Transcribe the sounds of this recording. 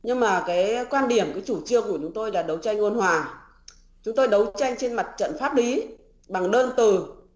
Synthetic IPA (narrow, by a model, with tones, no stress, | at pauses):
ɲɨ˧ŋmaː˨˩kaː˨˦jkwaː˧nɗi˨˩əmkaː˨˦jt͡ɕu˧˩t͡ɕɨ˧əŋku˧˩ət͡ɕʊ˨˦ŋ͡mt̪o˧jlaː˨˩ɗə˨˦wt͡ɕa˧jŋ̟ŋo˧nhwaː˨˩ | t͡ɕʊ˨˦ŋ͡mt̪o˧jɗə˨˦wt͡ɕa˧jŋ̟t͡ɕe˧nma˨˩t̚t͡ɕə̰˧˨nfaː˦˥li˨˦ | ɓa˨˩ŋɗəː˧nt̪ɨ˨˩